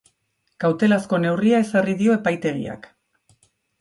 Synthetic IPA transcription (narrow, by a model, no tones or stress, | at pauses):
kawt̪e̞lasko̞ne̞wriae̞sariðio̞e̞pajt̪e̞ɣḭa̰k